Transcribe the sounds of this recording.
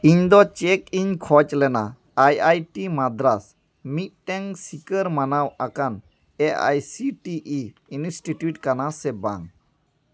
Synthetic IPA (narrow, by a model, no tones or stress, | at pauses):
iɲd̪ɔt͡ʃɛkiɲkʰɔt͡ʃlɛna̰ | ajajʈimad̪ɾas | mit̪̚ʈɛŋsikəɾmanawakan | ea̰jsiʈiʔiinisʈiʈjuʈ̚kanasɛba̰ŋ